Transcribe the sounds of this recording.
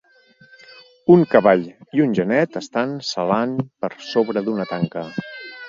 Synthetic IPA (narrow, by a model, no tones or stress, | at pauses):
uŋkəβaʎiunʲʒənɛt̪əst̪ansəlanpəɾsoβɾəðunət̪aŋkə